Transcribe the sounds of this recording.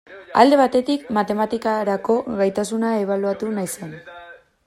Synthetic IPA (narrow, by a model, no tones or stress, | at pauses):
a̰ld̪e̞β̞at̪e̞t̪ikmat̪e̞mat̪ikaɾako̞ɣajt̪asunae̞β̞aluat̪unajsen